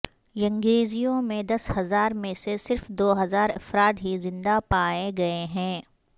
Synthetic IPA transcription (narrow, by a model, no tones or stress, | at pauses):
jɐ̃ŋɡeːzijõmẽd̪ɐshɐzaːɾmẽsesɪɾfd̪oːɦɐzaːɾɐfɾaːt̪ɦizɪ̃nd̪apaːeɡɐeɦɛ̃ː